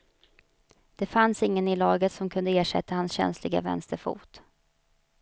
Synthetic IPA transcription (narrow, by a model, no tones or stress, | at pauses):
d̪̥ɛfansɪŋːənɪlɑːɡət̪sɔmkʰɵnd̪əeːʂɛ̰t̪ːahansɕɛ̰nslɪɡa̰vɛ̰nst̪əɾfṵːt̪